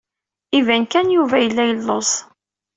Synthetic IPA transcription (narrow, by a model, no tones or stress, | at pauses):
ivænkænjuvæjəlːæjəlːos